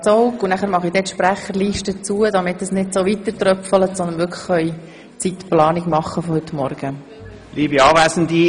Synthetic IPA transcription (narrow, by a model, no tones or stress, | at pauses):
t͡sɔwkunæχæɾmɑχidɛt̪ʃpɾæχəɾliːʃtət͡suəd̪ɑmɪtːəsnɪdsoʋit̪əɾt̪rœpfələtsɔnd̪ənʋʏɾkʰlə̥χœʏ | t͡sit̪plɑːniɡmɑχːəfɔhʏt̪mɔɾɡ̥ə | liːbiɑːʋæsən̩di